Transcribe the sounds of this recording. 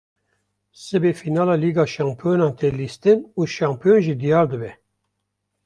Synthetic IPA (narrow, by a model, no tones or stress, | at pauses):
sɨbeːfinɑːlɑːliːɡɑːʃɑːmpʰonɑːnt̪ʰeliːst̪ɨnuːʃɑːmpʰijonʒid̪ijɑːɾd̪ɨbɛ